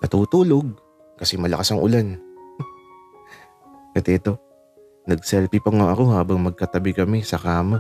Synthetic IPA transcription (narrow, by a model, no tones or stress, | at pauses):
k̪ɐt̪uːt̪uːlo̞ɡ̚ | kɐsɛmɐlɐ̰kasɐŋʔʊ̰lan | kɐt̪ɛʔt̪o̞ | nɐɡ̚sɛlpipɐŋoʔɐko̞haːbɐŋmɐɡ̚kɐt̪ɐbɪkɐmɪsɐkaːma